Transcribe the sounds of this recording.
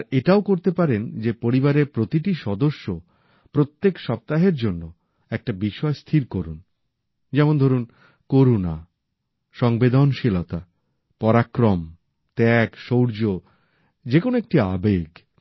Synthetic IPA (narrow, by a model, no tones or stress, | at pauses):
ɾeʈaokoɾt̪epaɾend͡ʑepoɾibaɾeɾpɾot̪iʈiʃɔd̪oʃːo | pɾot̪ːekʃɔp̚t̪aɦeɾd͡ʑonːo | ɛk̚ʈabiʃɔest̪ʰiɾkoɾun | d͡ʑɛmond̪ʱoɾun | koɾuna | ʃɔŋbed̪ʱonʃilot̪a | pɔɾakɾom | t̪ɛɡʃowɾd͡ʑo | d͡ʑekonoek̚ʈia̰beɡ